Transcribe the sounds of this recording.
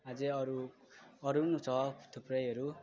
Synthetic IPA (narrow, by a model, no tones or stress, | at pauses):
ad͡zeʌɾu | ʌɾunut͡sʰʌt̪ʰuprʌjɦʌɾu